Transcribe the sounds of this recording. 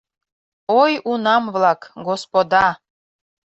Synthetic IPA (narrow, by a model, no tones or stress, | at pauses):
ojunɑmvlˠɑkɡospod̪ɑ